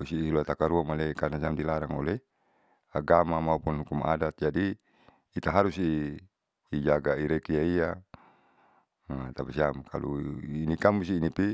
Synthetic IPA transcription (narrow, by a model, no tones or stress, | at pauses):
usiiluat̪akaɾuamalekarnas̬iamdilaɾaŋo̰le | aɡamamaupunɦukuma̰dat̪̚d͡ʒadiː | t̪aɦaɾusiː | d͡ʒaɡaiɾekiaia | t̪apasiamkʰa̰lṵinikamusiːnipi